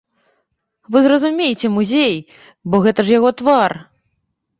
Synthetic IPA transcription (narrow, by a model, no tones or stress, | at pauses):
vɨzrɐzumʲejit͡sʲɛmuzʲej | bɔɣɛt̪ɐʐjaɣɔt̪var